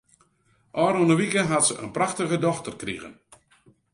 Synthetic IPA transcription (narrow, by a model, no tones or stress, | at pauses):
ʔɔːɾɔnəʋikəɦatsəʔə̰npraxtəɣədɔxtərkrḭɣə̰n